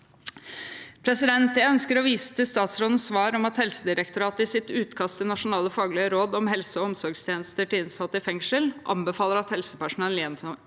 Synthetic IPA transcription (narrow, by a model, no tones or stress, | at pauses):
pʰɾɛsɪd̪ɛnt̪jæɪœnskəɾɔʋiːsə̥t̪ʰəst̪ɑːt̪sɾoːd̪n̩sʋɑːɾɔmɑt̪hɛlsəd̪ɪɾək̚t̪ʊɾɑːt̪əɪsɪt̪ʉːt̪kʰɑst̪ɪnɑʂʊnɑːləfɑːɡlɪəɾoːd̪ɔmhɛlsəɔɔmsɔɾɡst̪ʰjeːnəst̪əʈɪɪnsɑt̪ːəɪfɛŋʂəlʔɑ̰mbəfɑːləɾɑt̪hɛlsəpæʂʊnɑlːɪɛnt̪ʰ